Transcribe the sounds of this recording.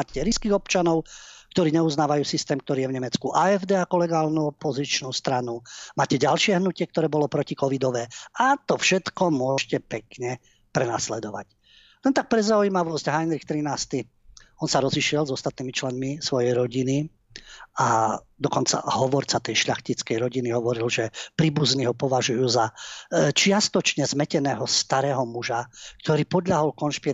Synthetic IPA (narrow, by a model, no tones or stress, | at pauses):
aːcɛɾiskiːɣɔp̚t͡ʃanɔʊkt̪ɔɾiːɲɛuznaːʋajuːsist̪ɛːmk̚t̪ɔɾiːjɛvɲɛmɛt͡skuʔaɛvd̪ɛakɔlɛɡaːlnuɔpɔzit͡ʃnust̪ɾanumaːcɛɟalʃɪɛɦnucɪɛk̚t̪ɔɾɛːbɔlɔpɾɔcikɔʋid̪ɔʋɛːat̪ɔfʃɛt̪kɔmʊɔʃcɛpɛkɲɛ | pɾɛnaslɛd̪ɔʋa̰c | lɛnt̪ak̚pɾɛzauiːmaʋɔsɟɦajnɾixt̪ɾinaːst̪i | ɔnsaɾɔziʃɪɛlzɔst̪at̪̚niːmit͡ʃlɛnmisʋɔjɛjɾɔɟini | ad̪ɔkɔnt͡sa̰ɦɔʋɔɾt͡sat̪ɛjʃʎaxcit͡skɛjɾɔɟiniɦɔʋɔɾilʒɛpɾiːbuzniɦɔpɔʋaʒujuːzat͡ʃɪast̪ɔt͡ʃɲɛzmɛcɛnɛːɦɔst̪aɾɛːɦɔmuʒakt̪ɔɾiːpɔd̪ʎaɦɔlkɔnʃpi